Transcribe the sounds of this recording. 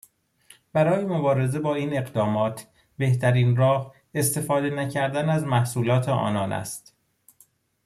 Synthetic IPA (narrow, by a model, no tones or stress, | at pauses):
b̥æɾɒːjemobɒːɾe̞ze̞bɒːiːne̞ɣd̪ɒːmɒːt̪ʰ | be̞ht̪æɾiːnrɒːh | e̞st̪e̞fɒːd̪e̞næcʰæɾd̪ænæzmæhsuːlɒːt̪ʰeʔɒ̰ːnɒːnʔæ̰st̪